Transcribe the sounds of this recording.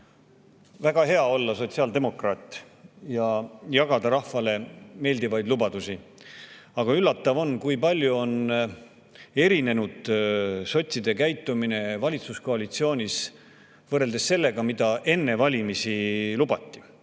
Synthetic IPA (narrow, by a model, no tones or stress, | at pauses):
væɡ̥ɑɦe̞ɑo̞lːɑso̞t̪siɑːld̪e̞mo̞krɑːt̪ːˑ | jɑjɑɡ̥ɑd̪ɑɾɑhvɑle̞me̞ːld̪ivɑjd̪lubɑd̪̥usi | ɑɡ̥ɑylːɑt̪ːˑɑvo̞nkujpɑlʲjuo̞n | e̞ɾine̞nud̪̥so̞t̪ʲsid̪e̞kæjt̪ːˑumine̞vɑlʲit̪susko̞ɑlit̪sio̞ːnʲis | vɤreld̪e̞sːe̞lːe̞ɡ̥ɑmid̪̥ɑʔe̞nːe̞vɑlʲimisilubɑt̪ːi̥